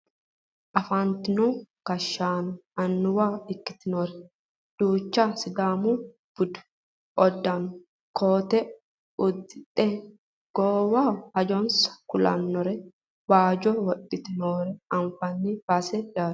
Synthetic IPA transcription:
ʔɐfaːnt̪ɪnuː | kɐʃːaːnʊɐnːʊwaːɪkːɪ̥t̪ɪnɔɾɛ | d̪̥uːt͡ʃːasɪd̪aːmuː | b̥ʊd̪ʊ̥ | ʔɔd̪ːɐn | kʰoːt̪ɛ | ʊd̪ɪt̪ʼːɛ | ɡ̥ɔːwaːhɐd͡ʒɔnsɐ̥kʊlɐ̰nːɔɾɛ | waːd͡ʒɔwɔtʼːɪt̪ɪnoːɾɛɐnfɐnːibasɛd̪aːɾ

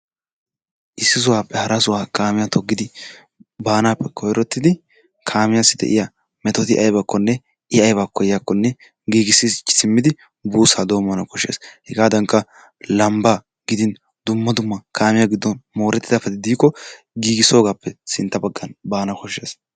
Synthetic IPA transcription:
ʔɪsːɪsʊwaːpːɛhɐɾasʊwaːkaːmɪjat̪ɔɡːɪd̪ɪ | baːnaːpːɛkʰɔjɾɔt̪ːɪd̪ɪ | kʰaːmɪjasːɪd̪ɛ̰ʔɪ̰ja | mɛt̪ɔt̪ɪʔɐjbakːɔnːɛ | ɪɐjbaːkːɔjɪjakːɔnːɛ | ɡiːɡɪsːɪst͡ʃːɪ̥sɪmːɪd̪ɪ | buːsad̪oːmːɐnɐkɔʃe̞̰ːshɛɡaːd̪ɐŋkːɐ | lɐmbɐ | ɡ̥ɪd̪ɪn | d̪ʊmːɐd̪ʊmːɐkʰaːmɪjaɡɪd̪ːɔnmo̞ːɾɛt̪ːɪd̪ɐfːɛd̪ɪd̪iːkːɔ | ɡiːɡɪso̞ːɡaːpːɛsɪnt̪ːɐbɐɡːɐnbaːnɐkɔʃːe̞ːs

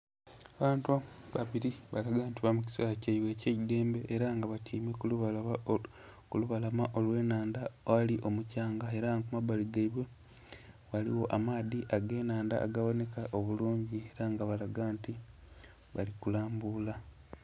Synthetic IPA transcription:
aβaːntuaβaβiɾiβalaɡaːntiβamuci̥saacaiβwe̞ːce̞ːcide̞ːmbe̞ʔːɾaŋɡaβatʰiːmekulβ | kuluβalamaʔo̞lwe̞ːnaːndawaliʔo̞mucaːŋɡae̞ɾaŋkumaβaliɡaiβwe̞ | walḭwo̞ʔamaːðiʔaɡe̞ːnaːnda̰a̰ɡaβo̞ne̞kaʔo̞βuluːɲɟieɾaŋɡaβalaɡanti | βalikulaːmbuːla

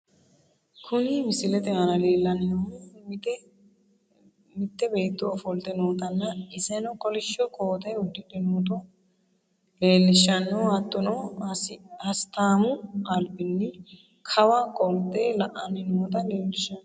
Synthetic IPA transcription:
kʰʊnɪmɪsɪlɛt̪ɛɐnɐleːlːɐnnɐmt̪ɛ | mɪt̪ːɛbeːt̪ːɔɔfɔlt̪ɛnoːt̪ɐnːɐɪsɐnɔkɔlɪʃɔkʼoːt̪ɐjʊd̪ːɪᶑ̪ɪnoːt̪ɔ | le̞ːlːɪʃɐnːɔɐt̪ːɔnɔ | hɐst̪aːmʊɐlbɪnːɪ | kʰɐwɐkʼɔlt̪ːeːlɐʔɐnɪnoːt̪ɐleːlːɪʃɐn

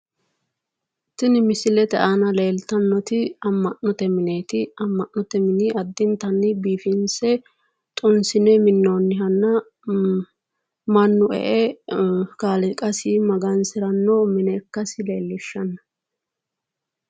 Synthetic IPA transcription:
sɪnɪmɪsɪlɛt̪ɛʔanɐle̞ːlt̪ɐnːɔt̪ɪɐmːɐnːɔt̪ɛmɪneːt̪ɪɐmːɐʔːɔt̪ɛmɪnɪɐd̪ːɪnt̪ɐnːɪbiːfɪnsɛ | t̪ʼʊnsɪnɛmɪnːonːɪɦɐnːɐ | mɐnːʊɛ̰ʔɛ | kaːlɪkʼɐsɪmɐɡɐnsɪɾɐnːɔmɪnɛkːɐsɪle̞ːlːɪʃːɐnːɐ̥

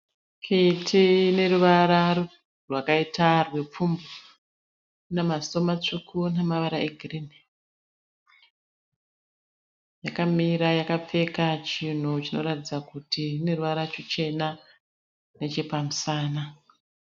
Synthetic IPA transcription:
kʰetʰine̞ruʋaɾar | rwakaitarwe̞p͡fumbo | namasomat͡ʂukʰunamaʋaɾaʔeɡʱirine | jakamiɾajakap͡fe̞kat͡ʃin̤ut͡ʃino̞ɾatid͡zakutine̞ruʋaɾat͡ʃot͡ʃe̞na | ne̞t͡ʃe̞pamusaːna

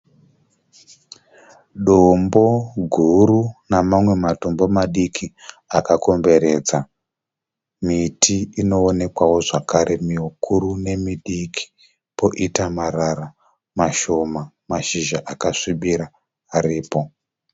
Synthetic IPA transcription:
ɗombo̞ɡʱuɾunamamwe̞matombo̞maɗikʰi | akako̞mbe̞ɾe̞d͡za | mitʰiino̞ːne̞kwawo̞ʐakaɾʔe̞miokʰuɾune̞miɗikʰi̥ | po̞ʔitamaɾara | maʃo̞ma | maʃiʒaʔakaʂiɓiɾaː | riːpo̞

